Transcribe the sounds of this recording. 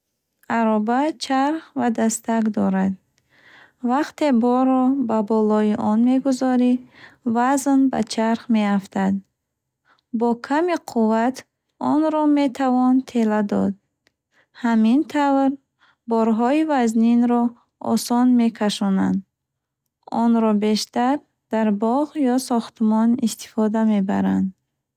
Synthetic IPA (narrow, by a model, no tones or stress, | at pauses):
aɾɔbat͡ʃʰaɾχvad̪ast̪akd̪ɔɾad̪̚ | vaqt̪e̞bɔɾɔbabɔlɔiʔɔnme̞ɡuzɔɾivaznba̰t͡ʃʰaɾχme̞aft̪ʰad̪ | bɔkʰamiqʰuvat̪ | ɔnɾɔme̞t̪ʰavɔnt̪ʰe̞lad̪ɔ̰d̪̚ | hamint̪ʰavɾ | bɔɾɦɔivazninɾɔ | ɔ̰sɔnme̞kʰaʃɔna̰nd̪ | ɔnɾɔbe̞ʃt̪aɾ | d̪̥aɾbɔʁjɔsɔχt̪mɔnist̪i̥fɔd̪ame̞ba̰ɾand̪